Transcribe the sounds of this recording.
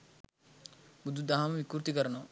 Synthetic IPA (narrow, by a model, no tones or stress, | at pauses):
bud̪ʱːud̪aɦɐmɐʋikːuɾt̪ikɐɾɐno